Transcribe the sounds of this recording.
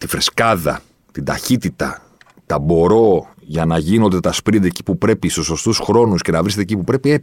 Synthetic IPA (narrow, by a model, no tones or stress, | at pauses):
t̪ifɾe̞skɐðɐ̰ | t̪id̪ɐçit̪it̪ɐ | t̪ɐbo̞ɾo̞ | ʝɐnɐʝino̞nd̪e̞t̪ɐspɾind̪eci̥pupɾe̞pist̪uso̞st̪usxɾo̞nusce̞nɐvɾiset̪ec̬ipupɾe̞pie